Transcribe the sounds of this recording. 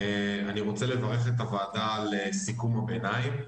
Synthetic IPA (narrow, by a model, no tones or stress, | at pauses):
eaniʁo̞t͡sele̞vaʁe̞χet̪̬avaːdaːlesikumabeːnajm